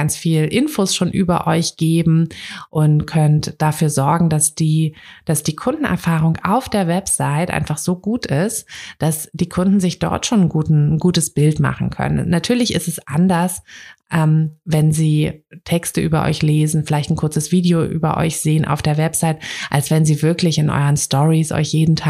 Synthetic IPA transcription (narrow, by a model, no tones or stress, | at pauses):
ɡant͡sfiːlʔɪnfoːsʃoːnʔyːbɐ̰ʔɔʏçɡ̥eːbm̩ʔʊntkʰœntd̥afyːɐzɔɐɡŋ̩dasd̥iːd̥asd̥iːkʰʊndn̩ʔɛ̰ɐfaːʁ̞ʊŋa̰ʊfd̥eːɐvɛpz̥aɪtʔa̰ɪnfaχz̥oːɡuːtɪstd̥asd̥iːkʰʊndn̩zɪçd̥ɔ̰ɐtʃoːnnɡuːtn̩n̩ɡuːtəsb̥ɪltma̰χn̩kʰœ̰nə̰nnːatʰyːɐlɪçɪ̰stɛsʔa̰ndɐsʔɛːmvɛnziːtʰɛkstəʔyːbɐʔɔ̰ʏçleːzn̩fɪlaɪçtn̩kʰʊɐt͡səsv̥iːdioʔy̰ːbɐ̰ʔɔ̰ʏçz̥eːənʔa̰ʊfd̥eːɐvɛpz̥aɪtʔalsv̥ɛnziːvɪɐklɪçɪnʔɔ̰ʏʁənstɔʁisʔɔ̰ʏçjeːdn̩tʰaː